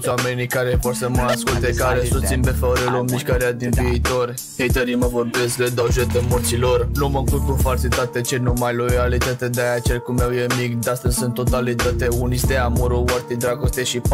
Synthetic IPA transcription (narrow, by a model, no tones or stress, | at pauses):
swamenikaɾevorsəməaskult̪ekaɾesust̪sinpefaɾelomiʃkaɾead̪inviːt̪o̞r | hejt̪əɾiməvorbeskled̪awʒet̪emot̪silornuməŋkutkufalsit̪at̪et͡ʃenumajlojalit̪at̪ed̪eajat͡ʃelkumawjemikd̪ast̪əzʲsunt̪ːot̪alit̪at̪eunist̪eamoɾowart̪id̪ɾaɡost̪eʃip